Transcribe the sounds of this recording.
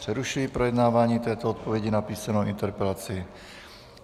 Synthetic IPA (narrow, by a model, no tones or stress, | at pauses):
r̥ɛɾuʃujipɾojɛdnaːvaːɲiːt̪ɛːt̪oot̪̚povjɛɟɪnapiːsanowʔɪnt̪ɛɾpɛlat͡sɪ